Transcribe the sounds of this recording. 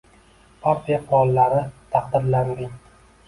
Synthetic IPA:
pʰaɾt̪ʰijaqʰʊɾɒlˠːaɾɪt̪ʰɑqd̪ɪɾland̪ɪŋ

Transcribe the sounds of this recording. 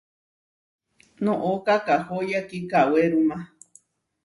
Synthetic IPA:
nõʔokakahojakikaweɾumã

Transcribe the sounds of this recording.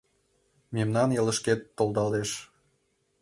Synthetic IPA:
memnɑnjə̆ləʃket̪ːolˠd̪ɑleʃ

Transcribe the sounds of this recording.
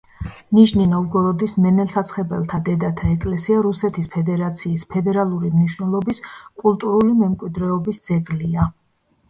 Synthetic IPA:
niʃninɔvɡɔɾɔd̪ismɛnɛlˠsat̪sʰχɛbɛ̰lˠt̪ʰad̪ɛd̪at̪ʰaɛkʼlɛsiaɾusɛt̪ʰispʰɛd̪ɛɾat̪sʰiːspʰɛd̪ɛɾalˠuɾimniʃwnɛlˠɔbiskʼulˠt̪ʼuɾulimɛmkʼwid̪ɾɛɔbisd̪zɛɡlia

